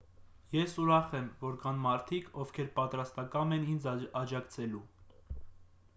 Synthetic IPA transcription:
jɛsuɾɑχɛmvɔɾkɑnmɑɾt̪ʰikʰɔvkʰɛɾpɑt̪ɾɑst̪ɑkɑmɛnind͡zɑd͡ʒɑkt͡sʰɛlu

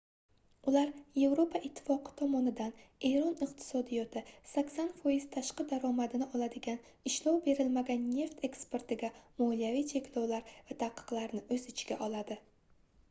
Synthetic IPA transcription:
ʊlaɾje̞vɾopʰaʔɪt̪ʰːɪ̥fɒqʰɨ̥t̪ʰɒmɒnɪd̪ane̞jɾɒnɪq̚t̪ʰɪ̥sɒd̪ijɒt̪ʰɪsakʲsanfɒjɪz̥t̪ʰaʃqɨd̪aɾɒmad̪ɪnɪʔɒlˠad̪ɪɡʲan | ɪʃlɒwbe̞ɾɪlmaɡʲanːe̞ft̪ʰe̞kspe̞ɾt̪ɪɡʲamɒlijavijt͡ʃʰe̞kʲʰlɒwlaɾvat̪ʰaqʰːɨ̥qlˠaɾnɪʔɵzɪt͡ʃʰɡʲaʔɒlad̪ɪ

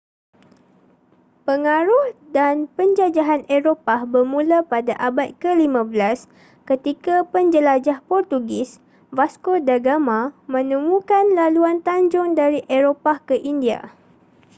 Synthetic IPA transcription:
pəŋaɾʊhdanpəɲd͡ʒad͡ʒaɦaneɾopabərmũlapadaʔabat̪̚kəlimãbəlas | kət̪ikapəɲd͡ʒəlad͡ʒahpɔrt̪uɡɪs | vaskodaɡamãmə̃nəmũkanlaluant̪aɲd͡ʒʊŋdaɾiʔeɾopakəʔindia̰

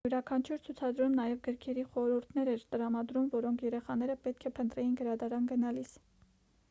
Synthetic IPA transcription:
juɾɑkʰɑnt͡ʃʰuɾt͡sʰut͡sʰɑd̪ɾumnɑjɛvɡəɾkʰɛɾiχɔɾuɾt̪ʰnɛɾɛɾt̪əɾɑmɑd̪ɾumvɔɾɔŋkʰjɛɾɛχɑn̪ɛɾəpɛt̪̚kʰɛpʰənt̪ɾɛjinɡəɾɑd̪ɑɾɑnɡənɑlis

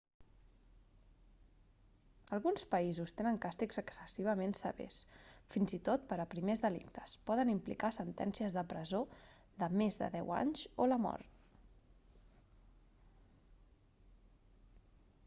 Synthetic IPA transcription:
əlˠɣunspəizust̪enəŋkast̪ikzəksəsiβ̞əmensə̰βḛsfinzit̪ot̪̚pəɾəpɾimezðəlḭkt̪ə̥spɔðənimplḭkasənt̪ɛ̰nsiəzðəpɾəzo | d̪əmezðə̰ðɛwa̰ɲzoləmɔ̰ɾt̪

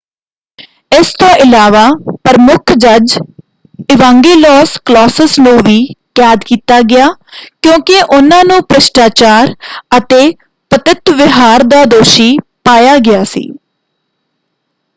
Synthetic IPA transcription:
ɪst̪õːʔɪlaːʋaːpəɾəmʊkʰd͡ʒəd͡ʒ | ɪʋãːŋɡeːlɔːsklɔːsəsnũːʋiːkaːd̪kiːt̪aːɡɪjaːkjõːkɪʔʊnãːnũːpɾəʃʈaːt͡ʃaːɾət̪eː | pət̪ɪt̪ʋɪɦaːɾd̪aːd̪oːʃiːpaːjaːɡɪaːsḭː

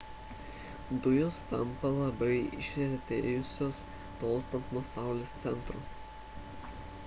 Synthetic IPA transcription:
d̪ʊjoːst̪ɐmpɐlˠɐbɐɪɪ̰ʃʲɛɾʲt̪ʲeːjʊsʲoːs | t̪oːst̪ɐnp̪nuɔsɑˑʊlʲeːst̪sʲɛnt̪ɾuː

